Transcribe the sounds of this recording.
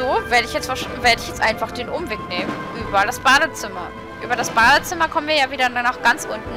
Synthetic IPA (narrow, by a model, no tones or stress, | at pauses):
zoːveːɐɾəɪçjɛt͡stfɛɐʃveːɐdəɪçjɛt͡stʔaɪnfaχd̥eːnʔʊmveːkneːmənʔyːbɐdasb̥aːdət͡sɪmɐ | ʔy̰ːbɐɾasb̥aːdət͡sɪmɐkʰɔmənviɐjaːviːdɐnanaʊxɡ̥ant͡sʔʊntn̩